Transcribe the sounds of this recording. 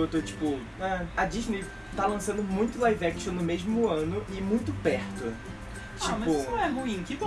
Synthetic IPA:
ot̪ot͡ʃi̥pʊ | ɛɐd͡ʒiʒnej | t̪alɐ̃sɐ̃d̪ʊmũj̃t̪ʊlajvɛkʃõnʊmeʒmʊɐ̃nʊʔɪmũj̃t̪ʊpɛɾt̪ʊ | t͡ʃaimɐzpʊɐ̃w̃ɛhuĩkɪko

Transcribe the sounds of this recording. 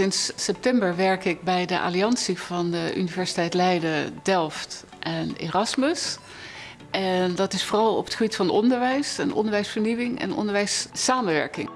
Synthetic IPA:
ɪnsːɛp̚tɛmbəɹʋɛɹkɪk̚bɛjdəʔa̰ːliɑnsiv̥ɑndəʔynivɛɹsi̥tɛjtlɛjdədɛlˠft | ʔɛnḛːrɑsməs | ʔɛndɑtɪsfoːrɑlˠɔ̰pətχəbitfɑnɔndəɹʋɛjsənɔ̰ndəɹʋɛjsfəɹniwɪŋɛ̰nɔ̰ndəɹʋɛjsːaːmənʋɛ̰ɹkɪ̰ŋ

